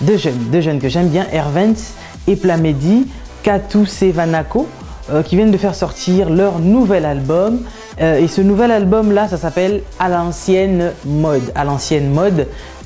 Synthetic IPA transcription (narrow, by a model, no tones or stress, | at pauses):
d̪øʒœnd̪øʒœnkəʒɛ̃mbjɛ̃ʔɛʁvɛ̃ns | eplamed̪i | kat̪usevanako | kʲivjɛnd̪əfɛʁsɔʁt̪ʰiʁlœʁnuvɛlalbɔm | esənuvɛlalbɔmlasasapɛlalɑ̃sjɛnmɔd̪a̰lɑ̃sjɛnmɔd̪